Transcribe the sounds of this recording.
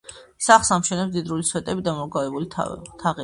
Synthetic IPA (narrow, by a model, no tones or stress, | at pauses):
saχsamʃɛnɛpsd̪id̪ɾuliswɛt̪ʼɛbid̪amɔɾɡavɛbulit̪ʰt̪ʰaʁɛ